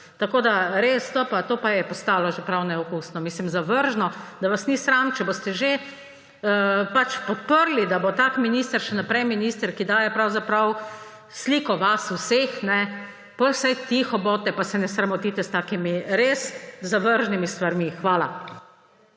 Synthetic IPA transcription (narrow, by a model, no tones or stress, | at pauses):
t̪akoːd̪aɾeːst̪opat̪oːpajɛpɔst̪aːlɔʒepɾawnɛɔkuːsnɔmiːslimzaʋəɾʒnɔd̪aʋasnisɾant͡ʃɛbost̪ɛʒe | pat͡ʃpɔt̪̚pəɾlid̪abot̪aːkminiːst̪əɾʃɛnapɾɛjminiːst̪əɾkid̪aːjɛpɾawzapɾaw | sliːkɔʋasusexnɛ | pɔjwsɛjt̪ixɔbɔːt̪ɛpasɛnɛsɾamɔt̪it̪ɛst̪aːkimiɾeszaʋəɾʒnimist̪ʋaɾmixʋaːla